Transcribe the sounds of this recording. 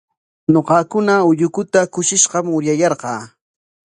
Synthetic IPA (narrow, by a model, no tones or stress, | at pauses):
ɲoqɑkʊnaʊʎʊkʊt̪akʊʃɪʃɢɑmʊɾjajɑɾɢɑː